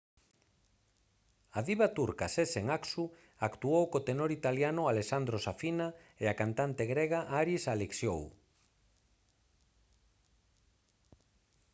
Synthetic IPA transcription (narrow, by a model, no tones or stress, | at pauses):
aðiβat̪uɾkaseseŋaksu | akt̪uowkot̪enoɾit̪aljanʊalesand̪ɾosafinaeakant̪ant̪eɣɾɛɣaʔaɾisaleksjo̰w